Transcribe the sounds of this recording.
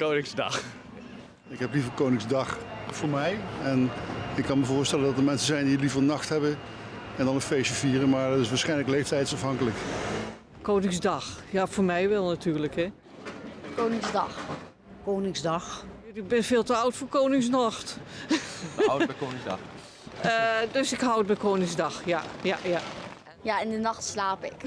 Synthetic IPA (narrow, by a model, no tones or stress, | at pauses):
kownɪŋzdɑ̰x | ɪkɦɛplivərkownɪŋzdɑχv̥ʊːɹmɛjɛnɪkkːɑnməvʊːɹstɛləndɑtəɹmɛnsəzɛjndilivərnɑχtɦɛbə | ɛndɑnənfejsəviːrəmaːɹdtɪsʋaːɹsχɛjnləklejftɛjtsɑfɦɑŋkələk | kownɪŋzdɑxjafoːɹmɛjʋɛlˠnatʰyːrləkhɛ | kownɪŋzdɑx | kownɪŋzdɑxɪɡ̚bɪnfeːlˠtəɑwtfoːɹkownɪŋs̬nɔxt | wkonɪɑ̰ | dɵsɪkɦɑwət̚bɛjkownɪŋzdɑxjajaja | jaɪndənɑxtslaːpɪk